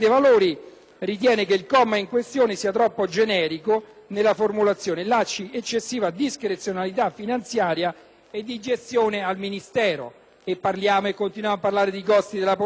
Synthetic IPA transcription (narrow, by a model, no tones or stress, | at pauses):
t̪evaloːɾi | rit̪̬jɛːnekeilkɔmːaiŋkwest̪joːnesiːat̪ɾɔpːod͡ʒenɛːɾikonelːaformulat̪sːjoːnelat͡ʃːiet͡ʃːesːiːvad̪iskɾet̪sːjonalit̪afːinant̪sjaːɾja | ed̪ːid͡ʒest̪joːnealminist̪ɛːɾo̰ | epːarljaːmoekːont̪inwjaːmapːarlaːɾed̪ikɔst̪id̪elap